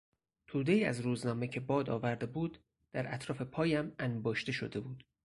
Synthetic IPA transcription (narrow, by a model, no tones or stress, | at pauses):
t̪ʰuːd̪e̞iːæ̰zɾuːznɒːme̞cʰe̞bɒːd̪ɒ̰ːvæɾd̪e̞buːd̪̥ | d̪̥æɾʔæt̪ʰɾɒːfe̞pʰɒːjæmænbɒːʃt̪e̞ʃo̞̰d̪e̞buːd̪̥